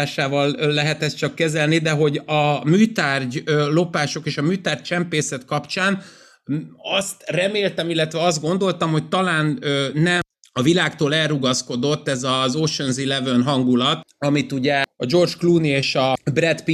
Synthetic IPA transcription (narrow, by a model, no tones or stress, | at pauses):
aːʃaːvɒlːɛɦɛt̪ɛst͡ʃɒkːɛzɛlnid̪ɛɦo̞ɟɒmyːt̪aːrɟølo̞paːʃo̞keːʃɒmyːt̪aːrc̚t͡ʃɛmpeːsɛt̪kɒpt͡ʃaːn | ɒst̪rɛmeːlt̪ɛmilːɛt̪ʋɛɒzd̪̚ɡo̞nd̪o̞lt̪ɒmho̞c̚t̪ɒlaːnønɛ | ɒvilaːkt̪oːlɛlruɡɒsko̞d̪o̞t̪ːɛzɒzoːʃonzilɛvønɦɒŋɡulɒt̪ɒmit̪uɟɛɒd͡ʒo̞rd͡ʒkluːnieːʃɒbrɛt̪pi